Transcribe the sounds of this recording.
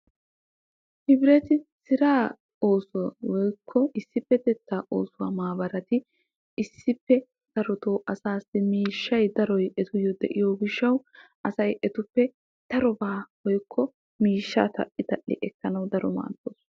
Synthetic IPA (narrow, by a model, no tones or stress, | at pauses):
hɪbɾɛt̪ɪsɪɾaː | oːsʊwwɔjkʰːɔɪsːɪpːɛt̪ɛt̪ːaːʔo̞ːsʊwaːmaːbɐɾɐt̪ɪ | ɪsːɪpːɛ | d̪̥ɐɾɔt̪oːʔɐsaːsɪmiːʃːɐjd̪ɐɾɔjʔɛt̪ʊjɔd̪ɛʔɪjoːɡɪʃːɐwʔɐsɐjʔɛt̪ʊpːɛ | d̪̥ɐɾɔbaːwɔjkʰːɔ | miːʃːa̰ːt̪ɐ̰ʔːɪt̪ɐʔːɪ̰ʔɛkːɐnɐwd̪ɐɾɔma̰ːd̪o̰ːs